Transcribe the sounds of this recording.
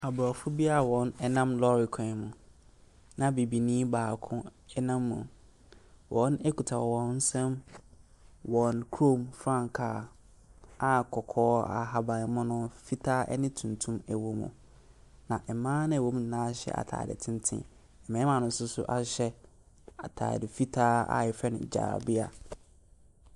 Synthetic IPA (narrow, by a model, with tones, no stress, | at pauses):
a˨bɔ˨fʊ˦bi˦a˦˨wɔ̃˨nɛ˦nã˦mlɔ˦ɾi˨kʰɔ̃˨mʊ̃˨ | nã˨bi˨bi˨nĩ˦baː˨kʰʊ̃˦ɛ˦nã˦mːʊ̰̃˨ | wʔɔ̃˨˦nɛ˦kʰu˨tʰa˨ɔ˨wɔ̃˨˦n̩˦sɛ̃˦m | wɔ̃˨nkʰo˦˨mfɾã˦˨ŋkʰaː˨ | a˨kʰɔ˨kʰɔː˦a̰˨ɦa˦bã˨mʊ̃˦nʊ̃˦fi˦tʰaː˦ʔɛ̰˦nɪ̃˦tʰũ˨ntʰũ˦mæ˨wo˨mṵ̃˨ | nã˨ʔɛ˨mãː˦nʊ̃˦ɛ˨wo˦mũ˦˨nãː˦ɕɛ̰˦˨ʔa̰˨tʰa̰ː˨dɪ̰˨tʰɪ̃˦n˦tʰɪ̰̃˨˦ | ɛ˨mɛ̃˨˦mã˨nʊ̃˨n˦sʊ˦sʊ̰˦ʔa˨ɕɛ˦ | a̰˨tʰa̰ː˨dɪ˨fi˦tʰaː˦a̰˨jɪ˨fɛ˦nʊ̰̃˨d͡ʑa̰ː˨a̰˨bɪ˦a̰˨